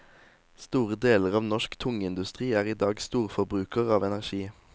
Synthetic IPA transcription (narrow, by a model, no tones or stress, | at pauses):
st̪uːʁəd̪eːləʁɑːʋnɔʃkt̪ʰʊŋəɪnd̪ʉst̪ʁiːæːʁiːd̪ɑːɡst̪uːʁfɔʁbʁʉːkəʁɑːʋɛnæʁʃiː